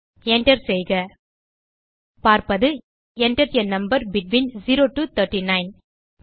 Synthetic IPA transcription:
ɛɳʈɐɾsɛjɣɐ | paːɾpɐðɯ | ɛɳʈɐɾɐnɐmbɐɾbɪʈʋinziɾoːʈut̪ʰɐɾʈːinɐɪn

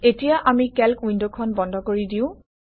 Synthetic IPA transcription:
etijaʔamikɛlkwindokʰɔnbɔndʱɔkoɹidiʊ̃

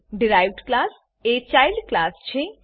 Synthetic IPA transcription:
ɖiɾajʋɖklas | et͡ʃajlɖklast͡ʃʰe

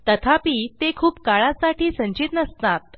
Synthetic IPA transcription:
t̪ət̪ʰapiːt̪ekʰuːpkaɭasaʈʰiːsəɲt͡ɕit̪nəst̪at̪̚

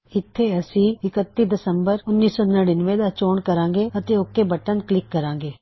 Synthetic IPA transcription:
ɪt̪ʰːeːəsĩːɪkət̪ːiːd̪ɪsəmbəɾʊnːiːsɔːnəɽinʋẽːd̪aːt͡ʃoːɳkəɾãːŋɡeːət̪eːʊkːeːbəʈənklɪkːəɾãːŋɡeː

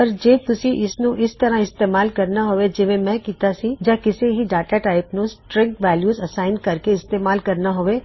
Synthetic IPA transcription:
ɔɾd͡ʒeːt̪ʊsiʔɪsnũʔɪst̪ɐɾãɪst̪eːmaːlkɐɾnaɦoːʋed͡ʒɪmẽmɛ̃kiːt̪asid͡ʒãkɪseɦiɖaːʈaʈaːɪpnũsʈɾɪ̃ŋkʋɛːljuːzɐsaːɪnkɐɾkeɪst̪eːmaːlkɐɾnaɦoʋe

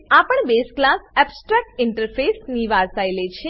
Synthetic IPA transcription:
apəɳbesklasɛbsʈɾak̚ʈɪɳʈəɾfʰesniʋaɾsajlet͡ʃʰe

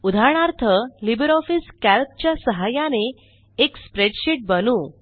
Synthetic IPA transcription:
ud̪ʱaɾɳ̃aɾt̪ʰəlibəɾɔfiskælp̚t͡ɕjasəɦajaneː | kspɾeɖɕiʈ̚bənuː

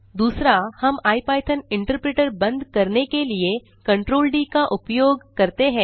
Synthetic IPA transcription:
d̪uːsɾahɐmaːipaːʈʰənɪ̃ɳʈəɾpɾeːʈəɾbɐ̃nd̪ʱkɐɾnekelie | kɐ̃ɳʈɾoːlɖiːkaʔʊpjoːɡkɐɾt̪eɦɛ̃ː

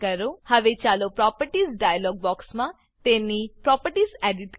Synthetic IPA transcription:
kɐɾohɐʋet͡ʃalopɾɔpəʈisɖajalɔːɡ̚bɔːksma | t̪enːipɾɔːpəʈisɛɖiʈ

